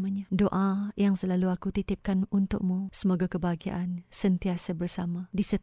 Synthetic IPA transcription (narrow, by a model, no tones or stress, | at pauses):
aɲadoʔajaŋsəlaluakut̪it̪ɪp̚kanunt̪ʊ̰ʔ̚musəmoɡakəbaɡia̰ʔansənt̪iasabərsamadisə